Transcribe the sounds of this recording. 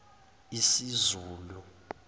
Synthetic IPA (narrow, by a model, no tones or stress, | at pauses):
isizuːlu